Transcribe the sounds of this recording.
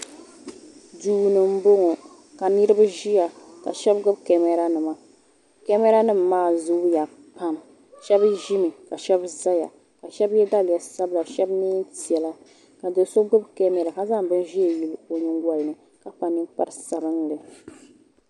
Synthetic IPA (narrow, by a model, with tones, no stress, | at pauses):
duː˦˨nɨ˨m̩˦bo˦ŋo˨ | ka˨nɨ˦ɾɨ˦ba˦ʒi˦ja˨ka̰˨ʃɛ˦bɡʊ˦bkɛ˨mɛ˨ɾa˨˦nɨ˨ma˨ | kɛ˦mɛ˦ɾa˦nɨ˦m˨maː˦˨zu˦ja˨ | pa˦m | ʃɛ˦bʒi˦mi˨ka˨ʃɛ˦bza˦ja̰˨ | ka˨ʃɛ˦bjɛ˦da˦lja˨sa˦bla˨ʃɛ˦bniː˦n˦ti˨ɛ˨la˦ | ka˨do˨so˦ɡʊ˦bkɛ˦mɛ˨ɾa˨ka˦za˦bɨ˦nʒi˦e˨ji˨lo˨ɲɨ˦ŋɡʷa˦lnɨ˨ | ka˨pa˨nɨ˦mpa˦ɾɨ˦sa˨bɨ˦ŋlɨ˨